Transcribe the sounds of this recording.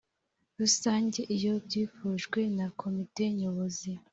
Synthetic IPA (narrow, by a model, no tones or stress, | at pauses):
ɾusaːɲɟe̞ʔijo̞bɟiːfuːʒɡwe̞nakʰo̞mite̞ɲoβozi